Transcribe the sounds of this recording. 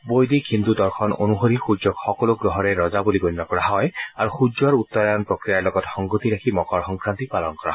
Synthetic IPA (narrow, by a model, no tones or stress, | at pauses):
bojdikint̪udɔɹxʰɔno̰nuɦoɹixud͡ʒɔkxɔkɔlʊɡɹɔɦɔɹɛɹɔzabuliɡonnɔkɔɹaɦɔjaɹuxud͡ʒɔɹut̪ːɔɹanpɹokɹijaɹlɔɡɔtxɔŋɡot̪iɹakʰimɔkɔɹxɔŋkʰɹant̪ipalɔnkɔɹa̰